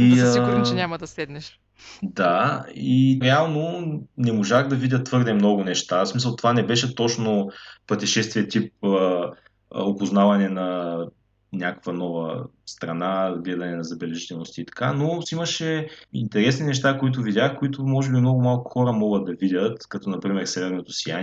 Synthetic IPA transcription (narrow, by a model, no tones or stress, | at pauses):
iʊɾt͡ʃɛnʲamɐd̪ɐslɛd̪nɛʃ | d̪aiɾɛalˠnonɛmoʒaxd̪ɐvidʲət̪t̪ːvɤɾd̪ɛmnɔɡʊnɛʃt̪asmis̬ɐlˠt̪ovanɛbɛʃɛt̪ɔt͡ʃnopɾət̪ɛʃɛst̪viɛt̪ip̚ə̰ | opʊznavɐnɛnɐ | nʲakə̥kvɐnɔvə | st̪ɾɐnaɡlɛd̪ɐnɛnɐzɐbɛlɛʒit̪ɛlˠnost̪iːt̪ɐ̥kanosimɐʃɛḭnt̪ɛɾɛsninɛʃt̪akoit̪̬ʊvidʲaxkoit̪ʊmɔʒɛbimnɔɡʊmalˠkʊ̥xɔɾəmɔɡəd̪̚d̪ɐvidʲət̪kɐt̪ɔnɐpɾimɛɾsɛvɛɾnot̪osijan